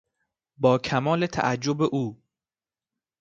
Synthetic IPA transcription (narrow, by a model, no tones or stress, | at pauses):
bɒːkʰæmɒːlet̪ʰæ̰ʔæd͡ʒːobeʔuː